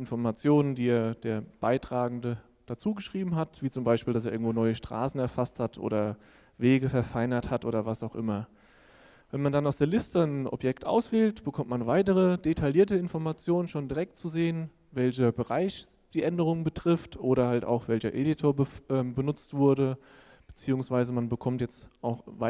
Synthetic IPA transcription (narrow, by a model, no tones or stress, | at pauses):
ɪnfɔɐmat͡sjoːnəndiːeːɐd̥eːɐb̥aɪtʁ̥aːɡŋ̩də | d̥at͡suːɡəʃʁ̥iːbm̩ɦatv̥iːt͡sʊmbaɪʃpiːldas̬eɐɪɐɡŋ̩tvoːnɔʏəʃtʁ̥a̰ːsn̩ɛɐfasthatʰʔo̰ːɾɐ | veːɡəfɛɐfaɪnɐthatʔo̰ːdɐvasaʊxʔɪ̰mɐ | vɛnmandanaʊsd̥eːɐlɪstənʔɔ̰pjɛktʔa̰ʊsv̥eːltb̥əkʰɔmtmanvaɪtəʁ̞əd̥etʰaljiːɐtəɪnfɔɐmat͡sjoːnənʃoːndiʁɛk̚tt͡suzeːən | vɛlçɐbəʁaɪç | d̥iːʔɛndəʁ̞ʊŋəbətʁ̥ɪftʰʔoːɾɐhalta̰ʊxv̥ɛlçɐʔeːditʰoːɐbəʔɛːmbənʊt͡stv̥ʊɐdə | b̥ət͡siːʊŋsv̥aɪzəmanbəkʰɔmtjɛt͡stʔaʊxva